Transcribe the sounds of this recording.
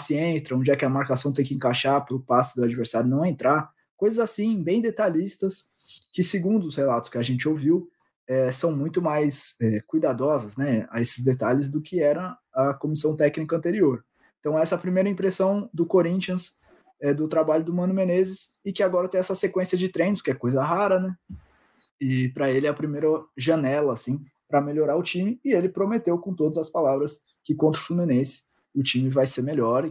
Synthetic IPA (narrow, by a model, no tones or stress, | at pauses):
sɪẽnt̪ɾɐõd͡ʒɪɛkɪɐmaɾkasɐ̃w̃t̪ẽj̃kɪẽŋkaʃaɾpɾʊpasʊd̪ʊad͡ʒiveɾsdaɾʊnɐ̃w̃ẽnt̪ɾaɾ | kojzɐzasĩbẽj̃d̪et̪aʎist̪ɐs | kɪsɪɡũnd̪ʊshelat̪ʊ̥skɪaʒẽnt͡ʃɪowviw | ɛsɐ̃w̃mũj̃t̪ʊmajsɛkujd̪ad̪ɔzɐznɛa̰esɪzd̪et̪aʎɪzd̪ʊkʰɪɛɾɐ | ɐkomisɐ̃w̃t̪ɛknikɐ̃nt̪eɾioɾ | ẽt̪ɐ̃w̃ɛɛsɐpɾimejɾɐĩpɾesɐ̃w̃d̪ʊkoɾĩt͡ʃiɐ̃s | ɛd̪ʊt̪ɾabaʎʊd̪ʊmɐ̃nʊmenezɪs | ɪkɪaɡɔɾɐt̪ẽj̃ɛsɐsekwẽsiɐd͡ʒɪt̪ɾẽj̃nʊskɪɛkojzɐɦaɾɐnɛ | ɪpɾɐelɪɛɐpɾimejɾɐʒɐnɛlɐːsĩ | pɾɐmeʎoɾaɾʊt͡ʃĩmɪɪelɪpɾomet̪ewkõt̪od̪ɐzɐspalavɾɐs | kɪkõnt̪ɾʊflumĩnẽsɪ̥ | ʊt͡ʃĩmɪvajseɾmeʎɔɾ